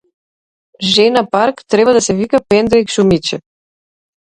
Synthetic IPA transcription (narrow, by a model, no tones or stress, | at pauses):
ʒɛnapaɾkt̪ɾɛbad̪asɛvikapɛnd̪ɾɛikʃumit͡ʃɛ